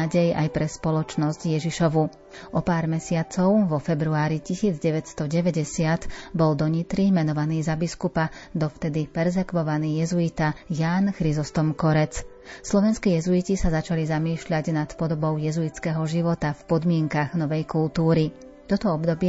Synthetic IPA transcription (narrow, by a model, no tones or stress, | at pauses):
aɟɛja̰jpɾɛspɔlɔt͡ʃnɔzcjɛʒiʃɔʋu | ʔɔpaːɾmɛsɪat͡sɔʊʋɔfɛbɾuaːɾicisiːd͡zɟɛʋɛcst̪ɔɟɛʋɛɟɛsɪat̪bɔld̪ɔɲit̪ɾimɛnɔʋaniːzabiskupad̪ɔft̪ɛd̪ipɛɾzɛkʋɔʋaniːjɛzuit̪ajaːnxɾizɔst̪ɔmkɔɾɛt͡s | slɔʋɛnskiːjɛzuicisazat͡ʃalizamiːʃʎaɟnat̪pɔd̪ɔbɔʊjɛzuit͡skɛɦɔʒiʋɔt̪afpɔd̪mɪɛŋkaɣnɔʋɛjkulˠt̪uːɾi | t̪ɔt̪ɔɔbd̪ɔbɪɛ